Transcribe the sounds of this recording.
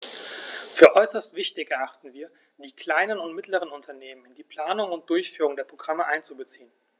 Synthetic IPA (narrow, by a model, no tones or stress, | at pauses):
fyːɐʔɔʏsɐstv̥ɪçtɪçɛɐʔaχtn̩viːɐ | d̥iːkl̥aɪnənʊntmɪtləʁ̞ənʊntʰɐneːmənɪndiːpʰl̥aːnʊŋʊnt̚d̥ʊɐçfyːʁʊŋdeːɐpʁ̥oɡʁaməʔaɪnt͡subət͡siːən